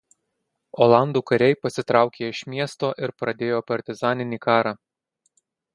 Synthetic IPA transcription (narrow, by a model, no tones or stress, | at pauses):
oːlˠɑˑnd̪uːkɐɾʲɛɪpɐsʲɪt̪ɾɑˑʊkʲeːɪʃʲmʲiɛst̪oːʔɪɾpɾɐd̪ʲeːjoːpɐɾʲt̪ʲɪzɑːnʲɪnʲiːkɑːɾɑː